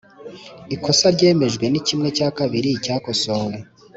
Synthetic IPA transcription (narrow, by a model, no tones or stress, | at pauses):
iko̞saɾɟe̞ːme̞ʒɡwe̞nicimŋe̞caːkaβiɾicaːko̞soɾo